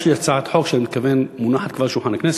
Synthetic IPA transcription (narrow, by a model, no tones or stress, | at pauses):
ʃiat͡saʕat̪ħokʃmit̪̚kavenmunaħat̪kvaʁʃuħanaknɛs